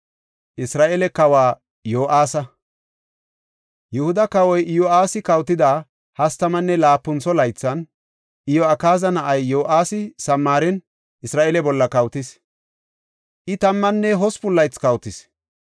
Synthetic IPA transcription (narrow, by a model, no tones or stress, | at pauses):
ʔɪsɾaːʔɛlɛkɐwaː | joːʔaːsɐ | jɛhʊd̪ɐkɐwɔjɪjɔaːsɪkɐwt̪ɪd̪aː | hɐst̪ɐmɐnːɛlaːpːʊnt͡sɔlɐjt͡sːɐn | ʔɪjɔɐkaːzɐnɐʔɐjːoːʔaːsɪsɐmːaːɾɛn | ɪsɾaːʔɛlɛbɔlːɐkɐwt̪ɪs | ʔɪt̪ɐmːɐnːɛɦɔspʊlːɐjt͡skɐwt̪ɪs